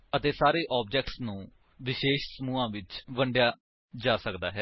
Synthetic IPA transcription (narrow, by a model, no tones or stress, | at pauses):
ət̪eːsaːɾeːʔaːb̚d͡ʒɛːk̚ʈsnũː | ʋɪʃeːʃsəmuːãːʋɪt͡ʃʋəɳɖjaː | d͡ʒaːsəkd̪a̰ːɦɛː